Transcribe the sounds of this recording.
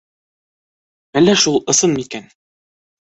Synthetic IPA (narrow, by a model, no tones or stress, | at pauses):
ælːæʃulˠɤ̆sɤnmikæn